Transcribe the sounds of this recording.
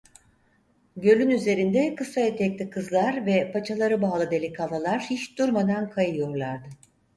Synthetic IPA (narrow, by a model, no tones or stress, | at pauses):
ɟø̞lʲynyze̞ɾind̪ɛkɯsaet̪ʰɛclʲikʰɯzlˠaɾvɛpʰat͡ʃʰalˠaɾɯbaːlˠɯd̪e̞lʲikʰalˠalˠaɾ̥hiʃd̪̥uɾmad̪ankʰajɯjo̞ɾlˠaɾd̪ɯ